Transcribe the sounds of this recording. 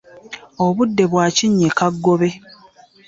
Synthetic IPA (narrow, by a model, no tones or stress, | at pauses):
oβudːe̞βwaːciɲːekaɡːoβe̞